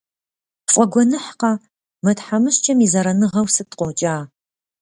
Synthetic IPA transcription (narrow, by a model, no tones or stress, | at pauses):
fʼɐɡʷɔnɨħqɑ | mɐtħamɨɕt͡ʃʼɐmiːzɐɾɐnɨʁɐwsɨtqʷɔwt͡ʃʼaː